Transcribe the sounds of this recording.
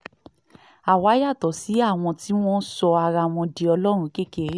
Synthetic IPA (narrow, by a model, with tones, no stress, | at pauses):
a˨wa˨˦ja˦˨tɔ˨˦si˨˦a˦˨w̃ɔ̃˧ti˦w̃ɔ̃˦sɔ˧a˧ɾa˧w̃ɔ̃˧di˨ɔ˧lɔ˦ɾ̃ũ˧ke˦ke˧˦